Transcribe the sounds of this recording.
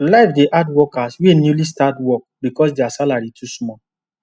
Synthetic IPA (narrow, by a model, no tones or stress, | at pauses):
laɪfdeʔadwɔkaswenjulistatwɔk̚bikɔs̬deasalaɹitʰusmɔ